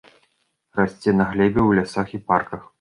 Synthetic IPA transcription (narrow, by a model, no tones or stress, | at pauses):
rasʲt͡sʲɛnɐɣlʲɛbʲɛwlʲasaxiparkɐx